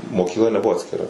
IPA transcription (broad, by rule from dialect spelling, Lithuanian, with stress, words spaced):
moːkʲiːkˈlˠɐ nʲɛˈbʊʋoː ɐtʲsʲkʲɪˈrɐ